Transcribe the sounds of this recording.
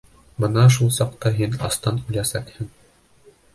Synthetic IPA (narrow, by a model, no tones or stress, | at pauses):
bɤnɑʃ̬ulˠsɑqt̪ɑɦinɑ̰st̪ɑnʉ̆jlæsækhɘŋ